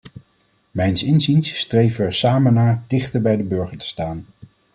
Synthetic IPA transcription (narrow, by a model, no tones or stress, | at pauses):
mɛjnsɪnzinsːtrejvəɛɹsaːmənaːɹdɪχtəɹbɛjdəbɵɹχəɹtə̥staːn